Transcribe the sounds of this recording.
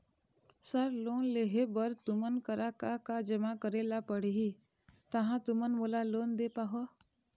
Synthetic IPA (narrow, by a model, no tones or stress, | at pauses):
səɾloːnleɦebəɾt̪ʊmənkəɾakakad͡ʒəmakəɾeːlapəɽeɦi | t̪əɦãt̪ʊmənmolaloːnd̪eːpaɦo